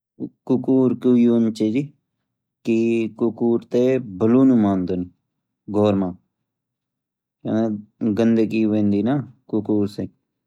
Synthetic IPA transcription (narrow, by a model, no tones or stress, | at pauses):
kʊkuːɾkuːjuːnt͡ʃeːd͡ʒi | kikʊkuːɾt̪eːbəluːnũːmaːnd̪oːni | ɡʱoːɾmãː | kḛ̃ːneɡənd̪eːkiːʋẽːnd̪iːnaːkʊkuːɾseː